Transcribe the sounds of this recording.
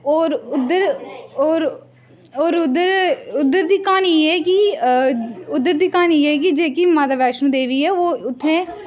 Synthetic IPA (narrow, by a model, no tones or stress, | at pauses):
ɔːɾʊd̪əɾoːɾ | oːɾʊd̪əɾʊd̪ːəɾd̪iːkaːniɛːki | ʊd̪ːəɾd̪iːkaːniɛːk̬ɪd͡ʒeːkiːmaːt̪aːʋɛːʃnũːd̪eːʋiːɛːʋoːʊt̪ʰːẽː